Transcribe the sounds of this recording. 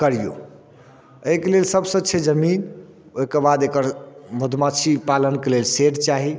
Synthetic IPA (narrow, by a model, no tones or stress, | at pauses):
kəɾijo̰ | əjkelelsəbsə̃t͡ʃʰed͡ʒəmin | okəbad̪ekəɾmud̪ʱmat͡ʃʰipalənkelelseʈt͡ʃaɦi